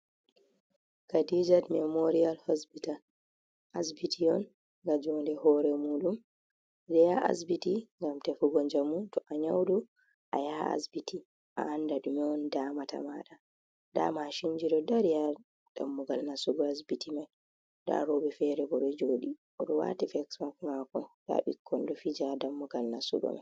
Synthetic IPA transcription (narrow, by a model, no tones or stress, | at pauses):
kadid͡ʒatmɛmoɾialhospital | ʔasbitʰijɔn | ŋɡad͡ʒɔndɛhɔɾɛmuːɗum | ɾɛjaa̰sbitiŋɡamtɛfuɡɔɲd͡ʒamuntɔʔaɲawdu | ʔa̰jaa̰sbiti | ʔa̰andaɗumɛɔndamata̰maɗa | da̰maʃind͡ʒiɗɔdaɾija | d̥a̰mːuɡalnasuɡɔas̬bitʰimaj | da̰ɾɔbɛfɛɾɛbɔɗɔd͡ʒoːɗiʔɔɗɔwa̰tifɛksmakmakɔda̰ɓikʰːɔndɔfid͡ʒadamːuɡalnasṵɡɔ̰ma̰j